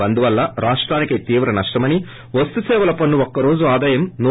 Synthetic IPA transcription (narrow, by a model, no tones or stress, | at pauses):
ɐnd̪uʋɐlːɐɾaːʂʈɾaːnikɐjt̪iːʋɾɐnɐʂʈɐmɐni | ʋɐst̪usɛːʋɐlɐpɐnːuɔkːɐɾo̞ːd͡ʒuaːd̪aːjɐmnu